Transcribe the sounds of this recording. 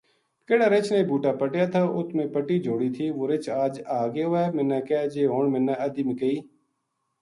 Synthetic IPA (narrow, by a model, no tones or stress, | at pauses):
kɪɽaːɾet͡ʃneːbuːʈaːpəʈjaːt̪ʰaːʔʊt̪ʰmẽːpəʈiːd͡ʒʱoːɽiːt̪ʰiːʋoːɾɪt͡ʃaːd͡ʒaːɡeoɛːmɪnːaːkɛːd͡ʒeːɦoːɳmɪnːãʔəd̪iːmekəiː